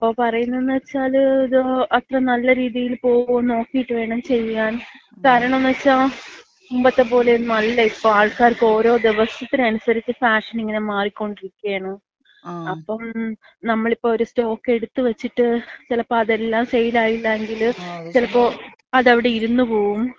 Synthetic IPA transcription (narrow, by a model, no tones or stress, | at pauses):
ɐpːo̞ːpɐrɐjunːɐðenːɨʋɐt͡ɕːaːliðɨɐt̪rɐnɐlːɐɾiːðijilpo̞ːɣono̞ːkːijiʈːɨʋe̞ːɳɐmt͡ɕe̞jːaːn | kaːɾɐɳɐmnːɨʋt͡ɕːaː | umbɐt̪ːepo̞ːlenɐlːɐipːoːaːɭkaːrkɨo̞ːɾo̞ːd̪iʋɐst̪ʰːɐt̪ːinɐnusɐɾit͡ɕːɨfaːʂɐniŋːɐnemaːrikʲːo̞ɳɖiɾikʲːeːɳɐm | ɐpːɐm | nɐmːɐɭipːoːoɾusto̞ːkːe̞ɽut̪ːɨʋɐt͡ɕːiʈːɨt͡ɕilɐpːoɐðe̞lːaːmsejilaːjilːɐeŋɡilt͡ɕilɐpːo̞ːɐðɐʋiɽe̞iɾunːupo̞ːɣum